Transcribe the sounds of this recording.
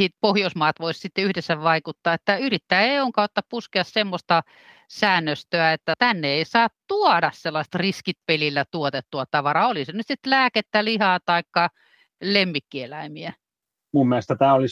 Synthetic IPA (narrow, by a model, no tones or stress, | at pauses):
siːt̪̚pohjoismɑːt̪ʋoissit̪ːeyhdesːæʋɑikut̪ːɑːet̪ːæyrit̪ːæːeioŋkɑot̪ːɑppuskeɑssemːost̪ɑ | sæːnːøst̪øæet̪ːæt̪ænːeeisɑːt̪t̪uɔdɑsselːɑist̪riskit̪̚pelilːæt̪uot̪et̪ːuɑt̪ɑʋɑɾɑolisenyt̪sit̪læːket̪ːælihɑːt̪ɑikːɑ | lemːikːielæimiæ | mumːielest̪æt̪æːolis